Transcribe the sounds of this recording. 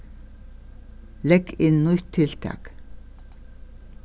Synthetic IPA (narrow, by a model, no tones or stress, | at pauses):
lɛɡɪnnʊt̪ʰːɪlt̪ʰɑ̰ːk